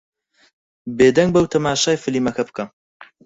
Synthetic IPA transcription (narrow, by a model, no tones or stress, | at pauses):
beːd̪ɐŋɡ̚bɐwt̪ʰɐmaːʃaːjfɨlimɐkɐbkʰɐm